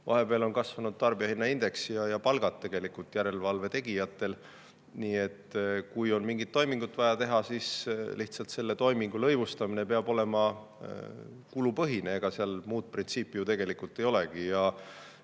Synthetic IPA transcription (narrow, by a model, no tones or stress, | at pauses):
vɑ̰ɦe̞peɑlo̞nkɑsvɑnud̪̥̚t̪ɑrb̥iɑhinːɑind̪̥e̞ksijɑjɑpɑlɡ̥ɑt̪ːe̞ɡ̥e̞likult̪ːˑjæɾe̞lvɑlve̞t̪e̞ɡ̥ijɑt̪ːˑe̞l | niːe̞t̪ːkujo̞nmiŋɡ̥it̪ːo̞jmiŋɡ̥ut̪vɑjɑt̪e̞ɦɑsiːsliht̪sɑlt̪se̞lːe̞t̪o̞jmiŋɡ̥ulɤjvust̪ɑmine̞peɑb̥o̞le̞mɑ | kulupɤɦineeɡ̥ɑseɑlmuːd̪̚print̪siːpːˑijut̪e̞ɡ̥e̞likult̪ːˑe̞jo̞le̞ɡ̥ijɑ